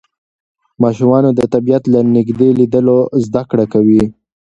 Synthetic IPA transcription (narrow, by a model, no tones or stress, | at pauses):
mɑʃumɑnod̪ət̪abijat̪lanɪɡd̪elid̪əlozd̪akɽakawi